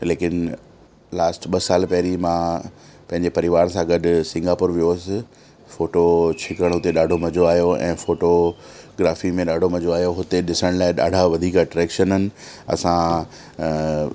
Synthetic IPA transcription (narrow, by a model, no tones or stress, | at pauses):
leːkɪn | laːsʈɓɐsaːlpɐɦɾimãpɐ̃ɦɪ̃ɲd͡ʑepɐɾiʋaːɾsãɡɐɖʱʊ̆sɪ̃ŋɡaːpʊɾʋijosɪ̆ | foːʈot͡ɕʰɪkəɽ̃ɦʊt̪eɗaːɖʱomɐd͡ʑoaːijoɛ̰̃ːfoːʈo | ɡɾaːfimẽɗaːɖʱomɐd͡ʑoaːjoɦʊt̪eɗɪsəɽ̃laːɪɗa̰ːɖʱaʋɐd̪ʱiːkaʈɾɛːkʃənənɪ̆ɐ̰sã